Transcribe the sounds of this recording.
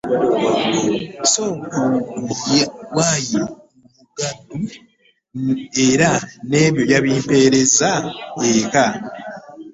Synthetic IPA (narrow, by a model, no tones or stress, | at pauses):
soːŋkuɡujwaji | muɡadu | e̞ɾane̞ːβjo̞jaβiːmpeɾe̞zaeka